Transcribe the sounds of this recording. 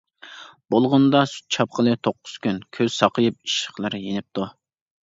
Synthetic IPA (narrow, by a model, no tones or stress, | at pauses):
bolˠʁʊnd̪ɑsy̥t̪̚t͡ʃʰɑp̚qʰəlˠɨt̪ʰoqːʊ̥z̥kʲynkʲʰøz̥sɑqʰəjɨp̚i̥ʃə̥χlˠɨɾɨjenɪp̚t̪ʰu